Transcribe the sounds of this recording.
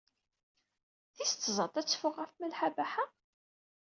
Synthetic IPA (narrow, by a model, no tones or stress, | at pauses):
θist̪ːzˤɑt̪ˤæt͡sːfʊʁːæfmælħabaħa